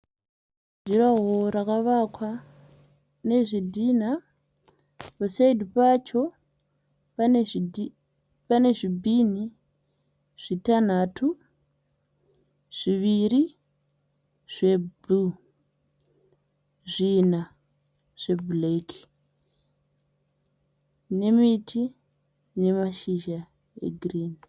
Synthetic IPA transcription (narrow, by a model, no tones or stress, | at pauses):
d͡ʒuraɦorakaʋakwa | ne̞ʐidʱin̤a | posaidipat͡ʃo | p | pane̞ʐibʱini | ʐ̥itan̤atʰu | ʐ̥iʋiri | ʐ̥e̞bu | ʐina | ʐ̥e̞blekʰi̥ | ne̞mitʰi | ne̞maʃiʒa | ḛɡʱriːn